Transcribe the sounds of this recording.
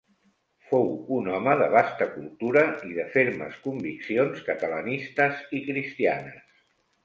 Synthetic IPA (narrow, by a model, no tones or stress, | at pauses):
fowunɔməðəβ̞ast̪əkulˠt̪uɾəiðəfeɾmə̰skumbiksionskət̪ələnist̪əzikɾist̪ia̰nəs